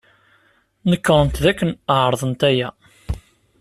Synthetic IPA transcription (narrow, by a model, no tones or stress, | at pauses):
nəkːəɾˤənt̪ðækːənəʕəɾˤðˤənt̪æjæ